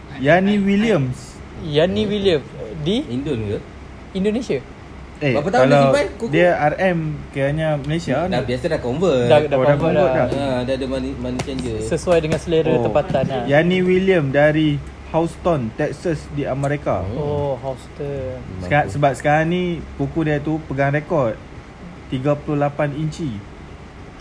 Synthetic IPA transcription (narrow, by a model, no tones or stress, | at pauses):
janĩwiliəms | janĩwiliəmdiindonɡə | indonẽsia | ebapat̪akalaiwpankudəarɛmkajaɲãməlesiandabiasadakombədadaodakobədaadadamanmanusiand͡ʒusəsuwajdəŋãnsəleɾət̪əpat̪anjanĩwiliəmdaɾi | hawst̪ɔnt̪ɛk̚səsdiaməɾeka̰oɦawst̪ɔnsasəbap̚sə̥kaɾaŋnĩpukudiat̪upəɡaŋrekɔt̪̚ | t̪iɡapululapaniɲt͡ʃi